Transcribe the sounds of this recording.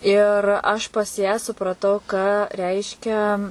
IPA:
ˈɪr ɐʃ pɐs jæː sʊprɐˈtɐʊ kɑː ˈrʲɛɪʃʲkʲɛ

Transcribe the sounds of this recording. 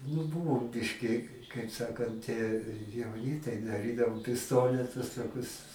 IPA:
nʊ ˈbuːʋoːm ˈbʲɪʃʲkʲɪ kɐɪp ˈsɑːkɐnt ɪ jɛʊˈnʲɪ tɐɪ dɐˈrʲiːdɐʋoːm pʲɪsˈtoːnʲɛtʊs toːˈkʲʊs

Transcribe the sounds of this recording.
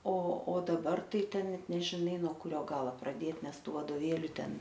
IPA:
oː oː dɐˈbɐr ˈtɐɪ ˈtʲɛn ˈnʲɛt nʲɛʒʲɪˈnɐɪ noː kʊˈrʲoː ˈɡɑːlˠoː prɐˈdʲeːt ˈnʲɛs ˈtuː ʋɐdoːˈʋʲeːlʲʊ ˈtʲɛn

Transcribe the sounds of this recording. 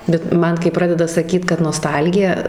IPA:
bʲɛt ˈmɐn kɐɪ ˈprɑːdʲɛdɐ sɐˈkʲiːt kɐt noːˈstɐlʲɡʲɪjɛ

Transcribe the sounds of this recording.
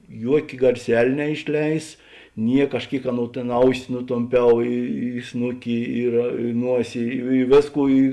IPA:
ˈjuɔkʲeː ɡɐrʲˈsʲɛlʲ nʲɛɪʃʲˈlʲɛɪs ˈnʲiɛk ɐʃ ˈkʲeːɪk ˈɑːˌnoːʊ tʲeːn ˈɐʊsʲɪ nʊtoːmʲˈpʲɛʊ ɪ ɪ ˈsnʊkʲɪ ɪr nuɔsʲɪ ɪ ɪ ˈʋʲeːsˌkuː ɪ

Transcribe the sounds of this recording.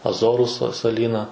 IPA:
ɐˈzoːrʊ sɐ sɐˈlʲiːnɐ

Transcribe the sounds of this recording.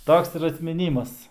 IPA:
ˈtoːks ɪr ɐtʲmʲɪˈnʲiːmɐs

